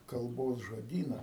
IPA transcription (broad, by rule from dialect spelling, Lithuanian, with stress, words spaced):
kɐlˠˈboːs ʒoːˈdʲiːnɐ